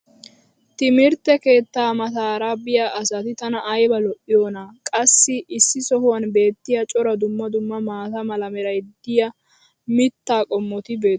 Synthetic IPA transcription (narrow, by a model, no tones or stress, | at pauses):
t̪ɪmɪɾt̪ːɛke̞ːt̪ːaːmɐt̪aːɾabɪjaʔɐsɐt̪ɪt̪ɐnɐʔːjbɐlɔʔːɪjoːnaːkʼɐsːɪɪsːɪsɔhʊwɐnbe̞ːt̪ːɪjɐt͡ʃʼɔɾɐd̪ʊmːɐd̪ʊmːɐmaːt̪ɐmɐlɐmɛɾɐjd̪̥ɪjɐ | mɪt̪ːaːkʼɔmːɔt̪ɪbe̞ː